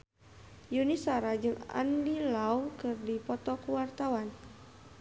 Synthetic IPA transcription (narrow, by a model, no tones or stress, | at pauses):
junisaɾad͡ʒɨŋa̰ndilaukɨrdipɔt̪ɔkuwart̪awan